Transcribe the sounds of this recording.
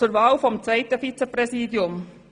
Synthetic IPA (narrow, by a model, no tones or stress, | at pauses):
əɾʋɑːʊfɔmt̪ʰeɪt̪əfit̪səpɾɛsiːd̪jʊm